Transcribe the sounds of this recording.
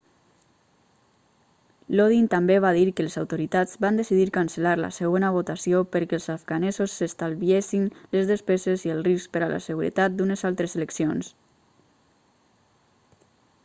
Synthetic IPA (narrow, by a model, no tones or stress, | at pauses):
loðint̪ambeβ̞aðiɾkəlezawt̪oɾit̪ad͡zβand̪əsiðiɾkansəlaɾlə̰səɣ̞onəβ̞ot̪asiopəɾkɛəlˠzafɡanɛzosːəst̪alˠβiesinləzðəspɛzeziəlˠrisk̚pəɾala̰səɣuɾə̰t̪at̪̚d̪unəzalˠt̪ɾəzələksions